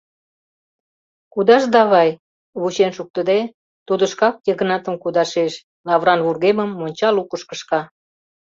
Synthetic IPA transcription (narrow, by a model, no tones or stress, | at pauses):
kud̪ɑʒd̪ɑβɑj | βut͡ɕenʃuk̚t̪əd̪e | t̪ud̪ə̆ʃkɑk̚jəɣə̆nɑt̪ə̆mkud̪ɑʃeʃ | lɑβrɑnβurɣeməmːonʲt͡ɕɑlukəʃkə̆ʃkɑ